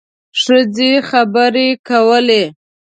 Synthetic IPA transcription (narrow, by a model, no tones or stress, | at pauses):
ʂəzexabəɾekawəle